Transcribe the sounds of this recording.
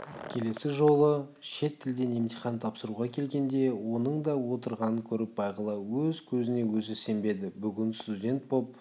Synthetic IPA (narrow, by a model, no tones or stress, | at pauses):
kʲʰe̞le̞sɪʒo̞lˠə | ʃe̞t̪ʰːɪld̪e̞nemt̪ijχɑnt̪ʰɑpsəɾuʁɑkʲʰe̞lɡʲe̞nd̪e̞wo̞nəɴd̪ɑwo̞t̪əɾʁɑnəkʲʰɵɾɪp̚bɑjqəlˠɑwɵzkʲʰɵzɪne̞wɵzɪse̞mbe̞d̪ɪbʏɡʲɪnst̪udʲe̞nt̪̚bop̚